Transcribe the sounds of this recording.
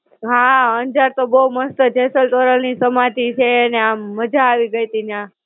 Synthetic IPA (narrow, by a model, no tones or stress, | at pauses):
ɦãənd͡ʒaɾt̪obəuməst̪əd͡ʒʱesəlt̪oɾəlnisəmãt̪it͡ʃʰeːneamːəd͡ʒaːʋiɡəjt̪inã